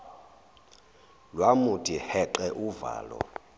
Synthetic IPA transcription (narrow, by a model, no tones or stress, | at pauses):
lwamutʰʼihɛǃɛʔuva̰ːlɔ̰